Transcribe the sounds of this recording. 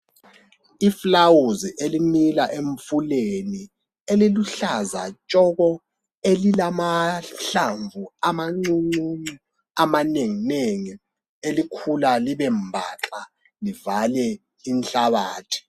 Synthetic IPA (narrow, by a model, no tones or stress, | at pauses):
iflawuziʔelinilaʔeɱfuleni | eliluɬazat͡ʃʼɔɣɔ | elilamaɬaɱvʱuamaŋ͡ǀuŋ͡ǀuŋ͡ǀu | amaneŋineŋi | elikʰulaliβɛmbʱaǁʼa | livalɛ | inɬaβaːtʰi̥